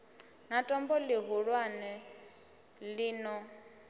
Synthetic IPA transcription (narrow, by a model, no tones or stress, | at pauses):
natʼɔmbɔlɪɦuɺwanɛ | liːnɔ